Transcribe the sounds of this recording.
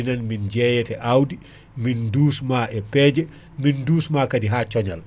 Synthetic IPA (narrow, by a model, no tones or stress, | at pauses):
inanmind͡ʒɛːjɛtɛʔawdi | minduːsmaːʔɛpɛːd͡ʒɛ | minduːsmaːkadiɦat͡ʃɔɲal